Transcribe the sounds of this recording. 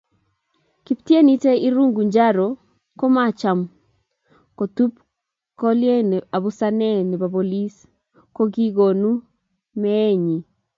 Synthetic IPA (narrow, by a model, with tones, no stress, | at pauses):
ki˨ptje˦ni˦te˦i˦ɾu˦ŋɡu˨ɲd͡ʒa˦ɾo˨ | ko˦ma˦˨t͡ʃa˨m | ko˨tu˦p | kɔ˦lɪ˦e˦ne˨a˨βu˦sa˦nɛ˦˨nɛ˨ba˨bo˨li˦s | ko˦ɡi˦ɡo˨nu˦ | mɛ˦e˦ɲi˨